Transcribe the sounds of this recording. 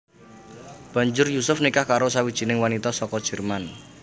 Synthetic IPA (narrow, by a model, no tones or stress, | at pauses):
b̥ä̤ɲd͡ʒʊrjusʊfnikahkaɾosawid̥ʒ̥i̤nɪŋwanit̪ɔsɔkɔd̥ʒ̥ɛ̤rman